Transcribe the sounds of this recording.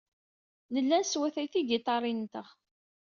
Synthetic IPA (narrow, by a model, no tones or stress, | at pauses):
nəlːænswæθæjθiɡɪt̪ˤɑɾˤint̪əʁ